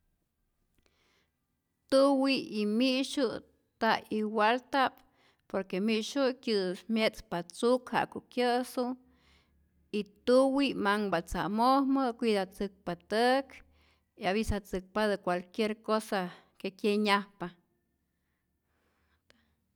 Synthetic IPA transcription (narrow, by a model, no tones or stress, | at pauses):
t̪uwiimiʃu | t̪aiwalt̪ap | poɾkemiʔʃukjɨsmjet͡spat͡sukha̰ʔkoʔkjəsu | it̪uwimaŋbat͡sa̰mohmɨkʷid̪at͡sɨk̚pat̪ək | iaβisat͡sɨk̚pad̪ɨkʷalkjeɾkosa | kekʲjeɲahpa